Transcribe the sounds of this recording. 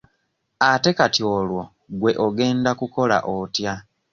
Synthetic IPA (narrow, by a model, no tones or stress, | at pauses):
ate̞katiolwo̞ | ɡwe̞ʔoɡe̞ːndakuko̞la̰ʔotja